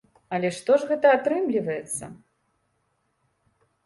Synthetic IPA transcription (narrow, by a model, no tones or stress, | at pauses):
ɐlʲɛʂt̪ɔʐɣɛt̪ɐat̪ɾɨmlʲivɐjɛt̪sːɐ̰